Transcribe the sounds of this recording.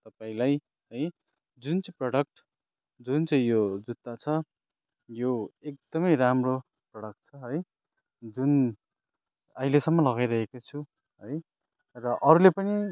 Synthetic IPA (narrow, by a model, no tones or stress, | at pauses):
t̪ʌpaĩlaj | ɦʌj | d͡zunt͡saĩprʌɽʌk̚ʈ | d͡zunt͡saĩjod͡zut̪ːat͡sʰʌ | joek̚d̪̥ʌmʌjramro | prʌɽʌk̚ʈ̚t͡sʰʌɦʌj | d͡zun | ʌilesʌmːʌlʌɡajɾʌɦekot͡sʰu | ɦʌj | rʌʔʌɾulepʌni